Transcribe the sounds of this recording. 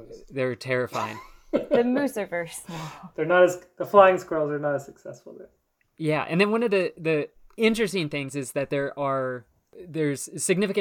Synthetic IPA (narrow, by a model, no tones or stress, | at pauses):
ðə˞tʰɛɹɨfa̰ɪɪ̰̃ŋ̃ðɨmʉsə˞vɜ˞snaʊðə˞nəɾɨzðəflaɪɪ̃ŋskɹolˠzə˞nəɾɨz̥sɨksɛ̰sfl̩ˠðə̰ | jæʔɨ̰̃nðɨ̃nwʌ̃nʌvðiðiɪ̃nt͡ʃɹ̥ɨstɪ̃ŋθɪ̃ŋzɨzðɨt̪̚ðə˞ʔə˞ | ðə˞z̥sɨɡ̚nɪfɨkɨ̃